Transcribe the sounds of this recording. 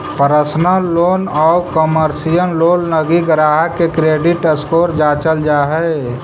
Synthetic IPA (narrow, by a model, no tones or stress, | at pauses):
pəɾəsnəloːnɔːkəməɾsijənloːlləɡiɡɾaːɦəkekɾeɖɪʈəskoːɾd͡ʒat͡ʃəld͡ʒaɦɛ